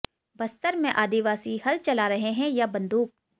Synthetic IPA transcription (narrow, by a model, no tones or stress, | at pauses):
bɐst̪əɾmẽʔaːd̪iʋaːsihɐlt͡ʃɐlaːɾɐɦeɦɛ̃jabɐ̃nd̪uːk̚